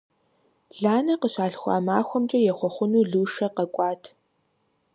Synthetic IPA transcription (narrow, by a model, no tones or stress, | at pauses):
ɮaːnɐqəɕaːɬxʷɑ̰ːmaːxʷɔmt͡ʃʼɐjɛχʷɔχʷʊnuːɮuːʂɐqɐkʷʼɑːtʰ